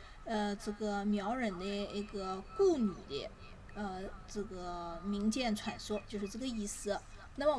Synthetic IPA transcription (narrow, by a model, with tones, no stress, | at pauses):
ə˧ʈ͡ʂɤ˥˩ɡə˩mjɑ˧˥ʊɻə˨˩nd̪ə˦i˥˩ɡə˧ku˥˩ny˨˩d̪ə̰˦ | ə˧ʈ͡ʂɤ˥˩ɡə˩mi˧˥ŋt͡ɕjɛ˥˩nt͡sʰwa˨˩nʂwɔ˥t͡ɕjo˥˧ʊʂɻ̩˥˧ʈ͡ʂɤ˥˩ɡə˩i˥˩sɹ̩˧˥˧ | na˥˩mə˨